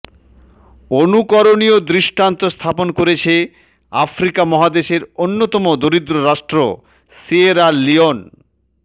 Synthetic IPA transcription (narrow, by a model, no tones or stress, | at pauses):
onukɔɾoniod̪ɾiʃʈant̪ost̪ʰaponkoɾet͡ɕʰe | afɾikamɔɦad̪eʃeɾonːot̪ɔmod̪oɾid̪ɾoɾaʃʈɾo̰ | sieɾalion